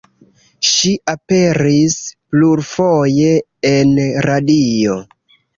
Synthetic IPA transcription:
ʃiʔape̞ɾispluɾfoje̞ː | nɾadio̞

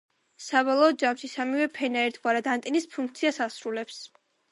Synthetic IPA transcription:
sabɔlˠɔːd̪̚d͡ʒamʃisamivɛpʰɛnaɛɾt̪ʰɡwaɾad̪ant̪ʼinispʰuŋk̚ʰt̪sʰiasasɾulɛps

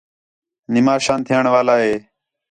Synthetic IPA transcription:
nɪmaːʃãːnt̪ʰijəɳʋaːlaːɦeː

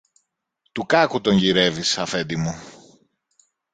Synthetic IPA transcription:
t̪ukɐkut̪o̞ɲʝiɾe̞visɐfe̞nd̪imu

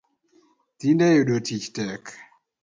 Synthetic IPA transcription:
tindɛjuɗotit͡ʃtɛk

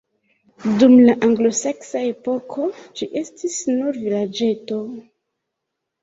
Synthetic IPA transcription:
dumlaʔaŋɡlo̞se̞ksae̞po̞kʰo̞d͡ʒiʔe̞stisnuɾvilad͡ʒe̞to̞

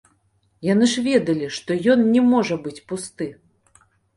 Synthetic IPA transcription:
janɨʂvʲɛd̪ɐlʲiʂt̪ɔjɔnnʲɛmɔʐɐbɨt͡sʲpust̪ɨ

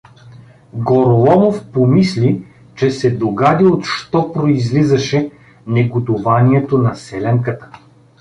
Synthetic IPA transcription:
ɡoɾlˠɔmofpomisli | t͡ʃɛsɛd̪oɡad̪iot̪ʃt̪ɔpɾoizlizəʃɛ | nɛɡot̪ʊvaniɛt̪onɐsɛlɛŋkət̪ə̥

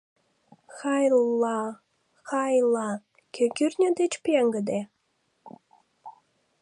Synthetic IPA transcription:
xɑjlɑ | xɑjlɑ | kʲʰekyrnʲəd̪et͡ɕpjeŋɡəd̪e

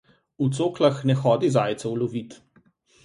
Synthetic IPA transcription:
ut̪soːklaxnɛxɔːd̪izaːjt̪sɛwlɔʋit̪

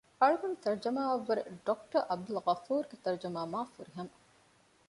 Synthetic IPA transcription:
ɐɭuɡunt̪ɐɾd͡ʒɐmaːʋɐʋːɐɾeɖok̚ʈɐɾʔɐb̚d̪ulʁɐfuːɾɡet̪ɐɾd͡ʒɐmaːmaːfuɾiɦɐmɐ

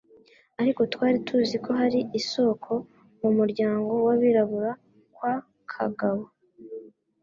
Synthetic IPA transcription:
aɾiko̞twaːɾitʰuziko̞ɦaɾiiso̞kʰo̞ | mumuɾɟaːŋɡo̞waβiɾaβuɾa | kwa | kʰa̰ɡaβo

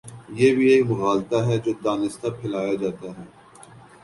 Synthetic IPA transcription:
jeːbʱieːmʊɣaːlt̪aɦɛd͡ʒoːd̪aːnɪst̪apʰɪlaːjad͡ʒaːt̪aɦɛː

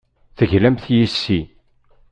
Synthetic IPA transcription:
θəʝlæmθjisːi

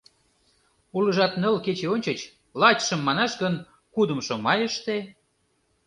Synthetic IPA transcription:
ulə̆ʒɑt̪nəlket͡ɕeonʲt͡ɕət͡ɕ | lɑt͡ɕʃə̆mːɑnɑʃɡən | kud̪ə̆mʃŏmɑjəʃt̪e

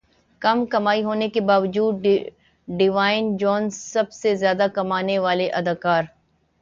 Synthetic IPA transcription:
kɐmkɐmaːiɦoːnekebaːʋəd͡ʒuːd̪ | ɖɪʋaːɪnd͡ʒɔːnssɐbsezjaːd̪akɐmaːneʋaːleʔɐd̪aːkaːɾ

